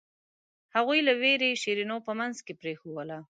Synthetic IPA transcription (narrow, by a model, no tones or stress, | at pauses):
haɣujlaweɾeʃeɾinopəmanzkepɾexowəla